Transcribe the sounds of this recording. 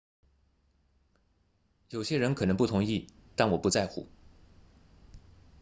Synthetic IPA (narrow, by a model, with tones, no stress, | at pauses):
jo˨˩ʊɕjɛ˥ɻə˧˥nkʰɤ˨˩nɤ˧˥ŋpu˥˩t̪ʰʊ˧˥ŋi˥˩t̪a˥˩nwɔ˨˩pu˧˥t͡sa˥˩ɪxṵ˨˩˦